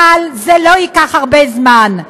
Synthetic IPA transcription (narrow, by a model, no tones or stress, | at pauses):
alzeloikaχhaʁbezman